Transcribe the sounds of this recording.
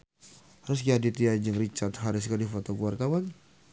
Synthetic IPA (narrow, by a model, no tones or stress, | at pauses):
aɾʊs̬ɡadit̪iad͡ʒəŋrit͡ʃat̪haɾɪskadifot̪okuwart̪awan